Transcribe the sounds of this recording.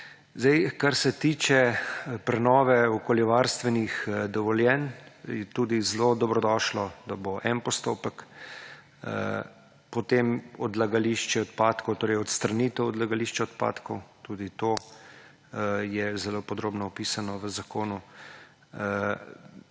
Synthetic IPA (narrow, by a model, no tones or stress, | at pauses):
zd̪ɛjkaɾsɛt̪iːt͡ʃɛpɾɛnɔːʋɛɔkoːljɛʋaɾst̪ʋɛnixd̪ɔʋɔljɛnjɛt̪uːd̪izlod̪ɔbɾɔd̪ɔːʃlɔd̪aboʔɛnpɔst̪oːpək | pɔt̪emɔd̪laɡaliʃt͡ʃɛɔt̪paːt̪kɔwt̪oːɾɛjɔt̪st̪ɾaniːt̪əwɔd̪laɡaliʃt͡ʃɛɔt̪pa̰ːt̪kɔwt̪uːd̪it̪oː | jɛzɛloːpɔd̪ɾoːbnɔɔpiːsanɔʋəzakoːnu